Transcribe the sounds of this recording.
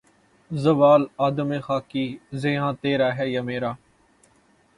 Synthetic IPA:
zəʋaːlaːd̪əmẽːxaːkiːzeãːt̪eːɾaːɦɛːjaːmeːɾaː

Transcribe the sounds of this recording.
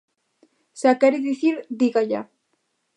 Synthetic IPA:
sakɛɾiðiθiɾd̪iɣaʎa̰

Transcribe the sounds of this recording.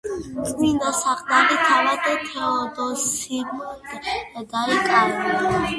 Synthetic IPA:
kʼwind̪ɔsaqʼd̪ad̪it̪ʰalak̪ʼɛt̪ʰɛɔd̪ɔsi | d̪aɾikʼaɾ

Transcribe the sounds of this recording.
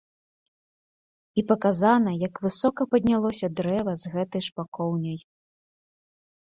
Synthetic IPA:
ipɐkazanɐjɐkvɨsɔkɐpɐd̪ʲnʲalˠɔsʲɐd̪ɾɛvɐzɣɛt̪ɐjʂpakɔwnʲɐj

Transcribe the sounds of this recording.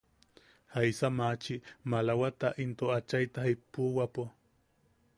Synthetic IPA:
hajsamat͡ʃimalawat̪aʔint̪oat͡ʃajt̪ahipuwapo

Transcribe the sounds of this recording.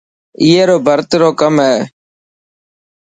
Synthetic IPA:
iːeːɾoːbʱəɾt̪ɾoːkəmɦɛː

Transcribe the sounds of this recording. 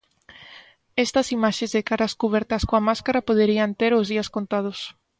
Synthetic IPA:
est̪ɐsimaʃẽzðekaɾɐskuβ̞ɛɾt̪ɐskõɐmaskaɾɐpoðeɾiɐnt̪eɾʊzðiɐskont̪að̞ʊs

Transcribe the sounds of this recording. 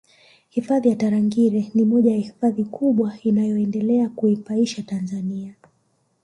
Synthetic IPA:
hifaðijataɾaŋɡiɾɛnimɔʄajahifaðikʰuɓwainajɔɛndɛlɛakuifaiʃatanzania

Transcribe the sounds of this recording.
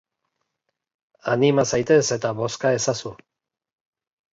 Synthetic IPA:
animasajt̪e̞se̞t̪aβo̞skae̞sasu

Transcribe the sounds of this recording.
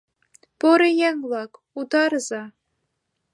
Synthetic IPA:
poɾĕjɛŋlˠɑk | ut̪ɑɾzɑ

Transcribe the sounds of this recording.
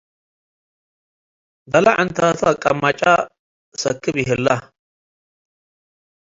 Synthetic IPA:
d̪ɐlɐʔɐnt̪ʰaːt̪ʰɐkʼɐmːɐt͡ʃʼa | sɐkːɪbɪɦɛlːɐ

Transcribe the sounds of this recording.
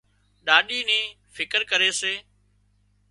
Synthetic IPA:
ɗaːɗiːnẽː | fɪkəɾkəɾeːseː

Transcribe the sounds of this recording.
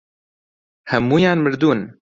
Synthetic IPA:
hɛmːuːjaːnmɨɾd̪uːn

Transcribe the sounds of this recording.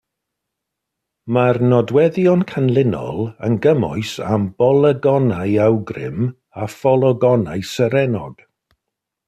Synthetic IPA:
marnɔdwɛðjɔnkʰanlˠɪnɔ̰lˠə̰nɡəmɔ̰ɨsa̰mbɔlˠəɡɔnajawɡrɪ̰m | afɔlˠɔɡɔnajsəɾɛnɔɡ̥

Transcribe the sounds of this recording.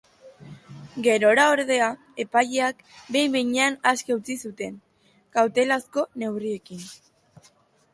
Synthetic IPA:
ɡe̞ɾo̞ɾao̞ɾðe̞a | e̞pajeak | be̞jβejɲeanaskeut͡sisut̪e̞n | kawt̪e̞lasko̞ne̞wrie̞kin

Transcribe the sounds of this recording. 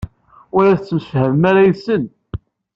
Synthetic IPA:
ʊɾæθət͡sːməʃhəvəmaɾajəsən

